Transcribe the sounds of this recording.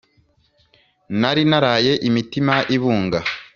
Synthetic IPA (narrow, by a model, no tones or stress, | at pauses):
naɾinaɾaje̞ʔimitimaʔiβuːŋɡa